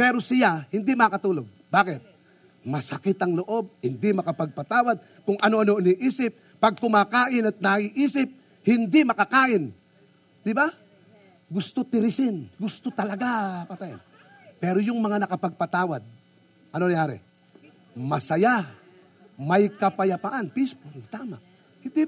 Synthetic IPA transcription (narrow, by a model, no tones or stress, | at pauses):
pɛːɾosɪjahɪnd̪ɪmɐkɐt̪uːloɡ̚baːkɪt̪̚ | mɐsɐkɪt̪ɐŋloʔo̞b̚hɪnd̪ɪmɐkɐpɐɡ̚pɐt̪aːwad̪̚ | kʊŋʔɐnoʔɐnoʔɪnɪʔiːsɪp̚ːɐɡ̚kʊmaːkaːʔɪnɐt̪̚naiʔiːsɪp̚ | hɪnd̪ɪmɐkɐkaːʔɪn | d̪ɪba | ɡʊst̪ot̪ɪɾɪsɪnɡʊst̪ot̪ɐlɐɡapat̪aja̰n | pɛːɾojʊŋmɐŋanɐkɐpɐɡ̚pɐt̪aːwad̪̚ | ʔɐnonɐjaːɾɛ̰ | mɐsɐja | mɐjkɐpɐjɐpaʔanpɪspot̪aːma | hɪnd̪i